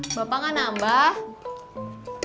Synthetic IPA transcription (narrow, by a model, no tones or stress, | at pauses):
b̥apaŋanambah